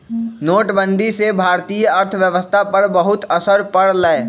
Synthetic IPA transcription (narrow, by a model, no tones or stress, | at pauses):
noːʈbə̃nd̪ʱisebʱaːɾt̪iːjəɐɾt̪ʰəʋjəʋəst̪ʰapɐɾbɐɦʊt̪ɐsəɾpɐɽlae